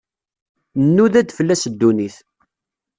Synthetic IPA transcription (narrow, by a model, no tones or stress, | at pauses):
nːuðæd̪fəlːæsəd̪ːuniθ